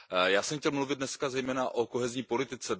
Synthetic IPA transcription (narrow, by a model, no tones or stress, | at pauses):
jaːsɛmxcɛlmluvɪd̪̚nɛskazɛjmɛːnaʔoko̞ɦɛzɲiːpo̞lɪt̪ɪt͡sɛ